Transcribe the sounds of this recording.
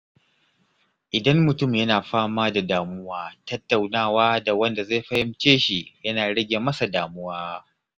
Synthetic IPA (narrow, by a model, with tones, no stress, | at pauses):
ʔɪ˨dɐ˦mːʊ˨tʊ˦˨mjɐ˦naː˨ɸaː˦maː˦da˨daː˨mʊ˦waː˦tɐ˦tːa˨wnaː˦˨waː˦da˨wɐ˦nda˨za˦˨ɸɐ˦hɪ˦mt͡ʃeː˦ʃi˨jɐ˦naː˨ɽɐ˦ɡʲeː˨mɐ˦sa˨daː˨mʊ˦waː˦